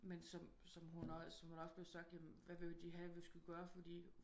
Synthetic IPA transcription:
mensɒ̽m | sɒ̽mɦunɐsɒ̽mhunɒ̽sb̥le̝ʊsɑ̈ɡ̥d̥jæmnʋæʋe̝ʋed̥iɦæʋesɡ̥uɡ̥ɶːɐfɒd̥ḭ

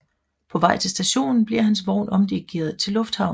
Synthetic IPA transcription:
pʰɒ̽ʋɑ̈ɪ̰t͡sʰe̝lsd̥æɕo̝̰ːnn̩b̥liɐ̰hænsʋɒʊnʔɒ̽md̥iɡ̥e̝ɐð̩ˠt͡sʰe̝lːɔ̽fd̥hɑ̈ʊ̰n

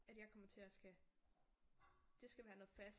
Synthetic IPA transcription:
æd̥jɑ̈ɪkʰɒ̽m̰ɐt͡sʰe̝læsɡ̥æ | d̥e̝sɡ̥æʋæːɐnɔ̽ːð̩ˠfæs

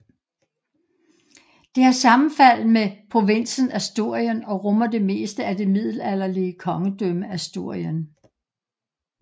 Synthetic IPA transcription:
d̥e̝æsɑ̈m̩fæl̰mepʰʁo̝ʋen̰sn̩æsd̥o̝ɐ̰jənɒ̽ʁɔmɐd̥e̝me̝̰ːsd̥əæd̥e̝mið̰ˠl̩æl̰ɐliəkʰɒ̽ŋəd̥øməæsd̥o̝ɐ̰jən

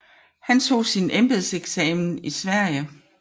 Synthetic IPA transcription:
hænt͡sʰo̝̰ːsinʔemb̥e̝ðˠseɡ̥sɛːmn̩isʋæɐ̰jə

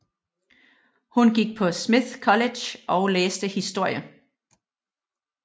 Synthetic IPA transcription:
hunɡ̥iɡ̥̚pʰɒ̽smiðkʰɒ̽led̥jɒʊleːsd̥əhisd̥o̝ɐ̰jə

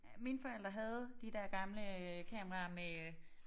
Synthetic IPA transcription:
minfɒ̽el̰d̥ʁɐɦæð̞ˠd̥id̥æɐ̰ɡ̥ɑ̈mləkʰɛmɐʁɑ̈me

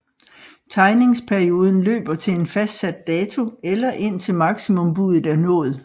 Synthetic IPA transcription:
t͡sʰɑ̈ɪne̝ŋspʰæɐio̝ːð̞ˠn̩lø̰ːb̥ɐt͡sʰe̝e̝nfæsd̥sæd̥ːɛːt͡sʰo̝elɐʔe̝n̰t͡sʰe̝lmɑ̈ɡ̥simɔ̽mb̥uðˠð̩æɐnɔ̰̽ːð̞̩ˠ

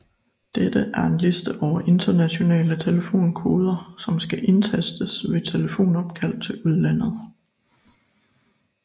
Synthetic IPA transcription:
d̥ed̥əʔæɐe̝nle̝sd̥əʔɒʊ̰ɐʔe̝nd̥ɐnæɕo̝nɛ̰ːlət͡sʰe̝ləfo̝̰ːnkʰo̝ːð̞ˠɐsɒ̽msɡ̥æʔe̝nt͡sʰesd̥əsʋe̝t͡sʰe̝ləfo̝̰ːnɒ̽b̥̚kʰæl̰d̥̚t͡sʰe̝luð̞ˠlæn̰ð̞̩ˠ

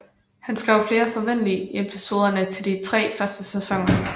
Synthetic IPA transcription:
hænsɡ̥ʁɛʊ̰fle̝ːɐfɒ̽ʋen̰liepʰiso̝ːð̞ˠɐnət͡sʰe̝ld̥it͡sʰʁɛ̰ːfɶɐsd̥əsɛsɒ̽ŋ̰ɐ

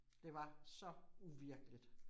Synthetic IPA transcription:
d̥e̝ʋɑ̈sɒ̽uʋiɐɡ̥əlid̥

